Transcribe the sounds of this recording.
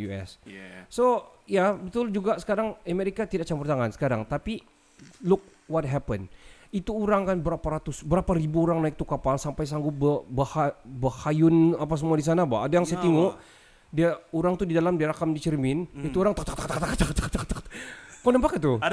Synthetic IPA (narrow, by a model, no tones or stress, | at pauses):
uɛ̰sːojabət̪ʊld͡ʒuɡasə̥kaɾaŋameɾikat̪idak̚t͡ʃampurt̪aŋansə̥kaɾaŋt̪api | lʊk̚ | wɔt̚ɦɛpən | it̪uːɾaŋkanbəɾapaɾat̪ʊsbəɾapaɾibuɾaŋnaik̚t̪ukapalsampajs̬aŋɡʊbəbahabahajʊnapas̬əmuadis̬anabaadajaŋsaat̪iŋo | diauɾaŋt̪udidalamdiaɾakamdit͡ʃərmɪnit̪uoɾaŋt̪ak̚t̪ak̚t̪ak̚t̪akt̪akt̪akt̪akt̪akt̪akonəmpakat̪u